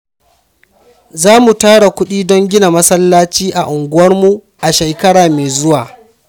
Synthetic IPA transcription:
zaː˦mu˨taː˦ɽa˨kʷʊ˦ɗiː˦dɔ˦ŋɡʲɪ˦na˨mɐ˦sɐ˦lːaː˦t͡ʃiː˦ʔa˨ʔʊ˨ŋɡʷʊ˦wɐ˦rmu˨ | ʔa˨ʃe˨jkɐ˦ɽaː˨meː˨zʊ˦waː˨

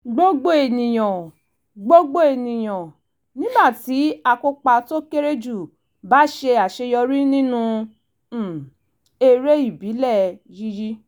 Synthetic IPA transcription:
ɡ͡bo˦ɡ͡bo˦e˨nĩ˨j̃ã˨ | ɡ͡bo˦ɡ͡bo˦e˨nĩ˨j̃ã˨ | nĩ˦ba˦˨ti˨˦a˧ko˧k͡pa˧to˦ke˦ɾe˦d͡ʒu˦˨ | ba˨˦ʃe˧a˨ʃe˧jɔ˧ɾi˦nĩ˦nũ˧˨ | e˧ɾe˦i˦˨bi˨˦lɛ˦˨ji˦ji˦

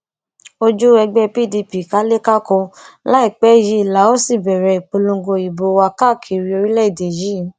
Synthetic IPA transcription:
o˧d͡ʒu˦ɛ˧ɡ͡bɛ˦pi˦˨di˧pi˨ka˨˦le˦ka˦kɔ̃˧la˦i˦˨k͡pɛ˨˦˨ji˨˦i˨la˨˦o˦si˦˨bɛ˨ɾɛ˨˧i˨k͡po˧lõ˧˦ɡo˧i˨bo˧˦˧wa˧ka˦˨kʰi˨ɾi˧˦o˧ɾi˦lɛ˦i˦˨de˨ji˨˦˨

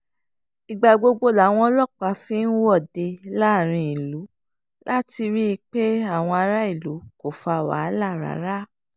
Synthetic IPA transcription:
i˨ɡ͡ba˧ɡ͡bo˧ɡ͡bo˧la˨˦w̃ɔ̃˧˦lɔ˦˨k͡pa˧fĩ˦n̩˦wɔ˦˨de˧la˦˨ɾ̃ĩ˧˨i˨lu˨˦ | la˦ti˧ɾi˦˧k͡pe˦a˦˨w̃ɔ̃˧a˧ɾa˦i˦˨lu˨˦ko˦˨fa˨wa̰˨˦la˦˨ɾa̰˨˦ɾa˦

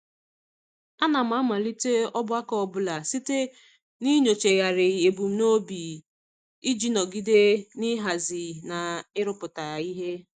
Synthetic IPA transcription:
a˦na˨m̩˨˦a˦ma˨li˦te˦ɔ˦bʊ˦a˦kɔ˦ɔ˨bʊ˦la˨si˦te˦ | ni˦ɲo˨t͡ʃe˨ja˨ɾɪ˨e˨bu˨m̩˦no˦bi˨ | i˦d͡ʒi˦nɔ˨ɡi˦de˦ni˦ɦa˨zɪ˨na˨ɪ˦ɾʊ˦pʊ˨ta˨i˦ɦe˦

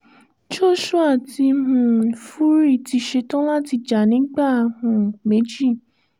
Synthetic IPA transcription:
d͡ʒo˦˨ʃu˦a˦˨ti˧mũ˨fu˦ɾi˦˨ti˧ʃe˧tɔ̃˦la˦ti˧d͡ʒa˨nĩ˨˦ɡ͡ba˦˨˧hũ˨me˨˦d͡ʒi˦˨

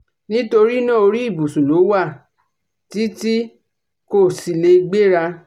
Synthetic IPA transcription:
nĩ˦to˧ɾi˦nã˦˨o˧ɾi˦i˦˨bu˨su˨lo˨˦wa˦˨ | ti˦ti˦ | ko˦˨si˧le˧ɡ͡be˦ɾa˧

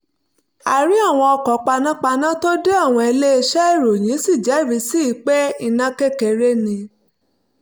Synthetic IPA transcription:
a˨ɾi˨˦a˦˨w̃ɔ̃˧ɔ˧kɔ˨k͡pa˧nã˦k͡pa˧nã˦to˦de˦a˦˨w̃ɔ̃˧e˧le˦e˧ʃɛ˦e˦˨ɾo˨j̃ĩ˨˦si˦˨d͡ʒɛ˨˦˨ɾi˨˦si˦i˧˦k͡pɛ˦i˦˧nã˦kɛ˦kɛ˧ɾe˦nĩ˧

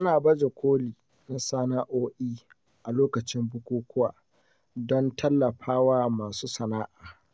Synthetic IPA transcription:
ʔa˦naː˨bɐ˦d͡ʒe˨kʷʰoː˦liː˨ | na˦sa˦na˦ʔoː˦ʔiː˦ | ʔa˨loː˦kɐ˨t͡ʃɪ˦mbʊ˦kʷuː˦kʷʊ˦wa̰ː˨ | dɔ˦ntʰɐ˦lːɐ˨ɸaː˦waː˦maː˨suː˦sɐ˨naː˦ʔaː˨

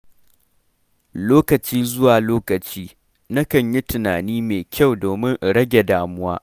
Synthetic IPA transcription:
loː˦kɐ˨t͡ʃiː˦zʊ˦waː˨loː˦kɐ˨t͡ʃiː˦ | na˦kɐ˨ɲji˦tɪ˨naː˨niː˦meː˨kʲʰa˦˨wdoː˨mɪ˦ŋʔɽɐ˦ɡʲe˨daː˦mʊ˦wa̰ː˦ʔ

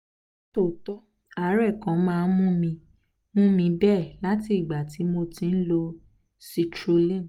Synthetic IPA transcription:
to˦˨tɔ˦ | a˨˦ɾɛ˦˨kã˨˦mãː˦˧n̩˦mũ˦mĩ˧ | mũ˦mĩ˧bɛ˦˨la˦ti˧i˦˨ɡ͡ba˨ti˨˦mo˧tĩ˧n̩˦lo˧ | si˧tɾo˧lĩ˦˨

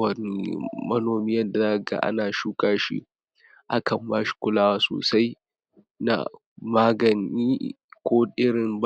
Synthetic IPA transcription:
ɐ˨n˨mɐ˦noː˨miː˦jɐ˦da˨zaː˦ka˨ɡa̰˦ʔa̰˦naː˨ʃu˦kʼaː˦ʃḭ˦ | ʔa˦kʰɐ˨mbaː˦ʃi̥˨kʷʊ˦laː˦wa˦so̰ː˨sa˦j | na̰˨ | maː˦ɡɐ˨niː˦kʷoː˦ʔɪ˦ɽɪ˨mb

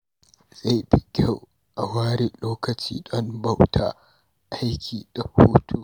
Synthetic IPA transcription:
z̥a˦˨jbɪ˨kʲʼɐ˦w | ʔa˨waː˦ɾi˨loː˦kɐ˨t͡ʃḭː˦ɗɔ˦nbɐ˦˨wtʰa̰˦ | ʔa˦jkʲʰiː˨ɗɐ˨huː˦tʰu˦˨

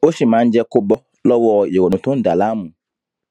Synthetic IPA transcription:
o˦si˨mãː˨˦n̩˦d͡ʒɛ˦˧ko˦bɔ˦ | lɔ˦wɔ˦˨je˨wo˨nũ˨tʊ̃˦n̩˦da˨laː˦mũ˨

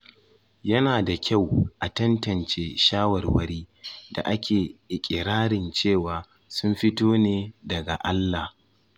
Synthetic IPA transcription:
jɐ˦naː˨da˨kʲa˦˨wʔa˨tɐ˦ntɐ˨nt͡ʃeː˦ʃaː˦wɐ˨rwɐ˦ɾiː˦da̰˨ʔa˦kʲʰeː˨ʔɪ˨kʲʼɪ˨ɾaː˦ɽɪ˨nt͡ʃeː˦˨waː˨ | sʊ˦mɸɪ˦toː˦neː˦dɐ˨ɡa˨ʔa˦lːa˨h

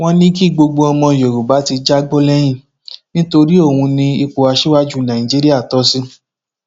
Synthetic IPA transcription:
w̃ɔ̃˦nĩ˦ki˦˨ɡ͡bo˧ɡ͡bo˧ɔ˧mɔ̃˧˨jo˨ɾu˨ba˨˦ti˧d͡ʒa˦ɡ͡bo˦lɛ˦j̃ĩ˦˨ | nĩ˦to˧ɾi˦o˦˨wũ˧nĩ˧i˧k͡po˧a˧ʃi˦wa˦d͡ʒu˦˨nã˨ĩ˨d͡ʒi˦ɾi˦a˦˨tɔ˨˦si˦

